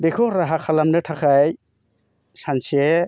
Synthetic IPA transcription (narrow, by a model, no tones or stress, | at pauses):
bekʰɔɾaɦakʰalamnɯtʰakʰaj | sanse